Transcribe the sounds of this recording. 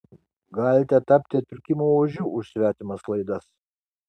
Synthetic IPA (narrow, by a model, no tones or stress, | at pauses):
ɡɑːlʲɪt̪ʲɛt̪ɐpʲt̪ʲɪt̪ʲɪɾʲkʲɪmoːoːʒʲuːʔʊʃsʲʋʲæːt̪ʲɪmɐslˠɐɪd̪ɐs